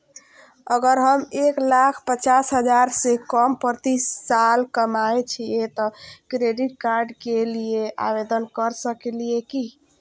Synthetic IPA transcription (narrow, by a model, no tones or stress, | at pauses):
əɡəɾɦəmeklakʰpət͡ʃasɦəd͡ʒaɾsekəmpəɾt̪iːalkəmaet͡ʃʰijet̪ɔkɾeɖiʈ̚kaɾɖkelieʔa̰bed̪ənkəɾsəkelieki